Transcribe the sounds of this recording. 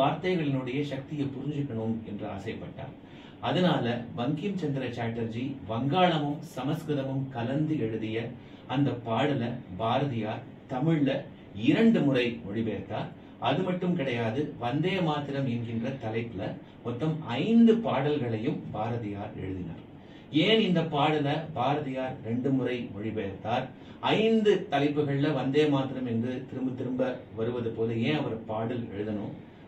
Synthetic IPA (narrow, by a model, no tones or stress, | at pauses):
ʋaːɾt̪ɐɪɣɐɭɪnɯɽɐjɐʃɐk̚t̪ɪjɐɪpːʊɾɪɲd͡ʒɯkːɐɳɯmɛndrɯa̰ːsɐɪpːɐʈːa̰ːɾ | ɐðɐnaːlɐbɐŋɡjɪmt͡ʃɐnd̪ɪɾɐt͡ʃaːʈːɐɾd͡ʒiʋɐŋɡaːɭɐmɯmsɐmɐskɾɯðɐmɯmkɐlɐnd̪ɯɛɻɯðɪjɐ | ɐnd̪ɐpːaːɽɐlɐbaːɾɐðɪjaːɾ | t̪ɐmɪɭːɐ | ɪɾɐɳɖɯmʊrɐɪmʊɻɪpeːɾt̪aːɾ | ɐðɯmɐʈːɯmkɪɽɐjaːðɯʋɐnd̪eːmaːt̪ɪɾɐmɛnɡɪndrɐt̪ɐlɐɪpːɪlɐ | mɔt̪ːɐmɐɪnd̪ɯpaːɽɐlɣɐɭɐjɯmbaːɾɐðɪja̰ːɾɛ̰ɻɯðɪna̰ːɾ | eːnɪnd̪ɐpːaːɽɐlɐbaːɾɐðɪjaːɾɾɛɳɖɯmʊɾɐɪmʊɻɪbeːɾt̪aːɾ | ɐɪnd̪ɯt̪ɐlɐɪpːɯɣɐɭɪlɐʋɐnd̪eːmaːt̪ɪɾɐmɛndrɯt̪ɪɾɯmbɯt̪ːɪɾɯmbɐʋɐɾɯʋɐðɯpoːlɯeːɐʋɐɾɯpaːɽɐlɛ̰ɻɯðɐnɯː